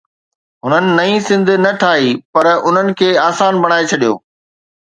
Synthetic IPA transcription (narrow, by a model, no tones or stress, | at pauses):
ɦʊnənɪ̆nɐĩsɪ̃nd̪̆ʱnɐʈʰaːɦipɐɾʊn̤ənɪ̆kʰeːaːsaːnbɐɽ̃aːet͡ɕʰɐɗijo̰ː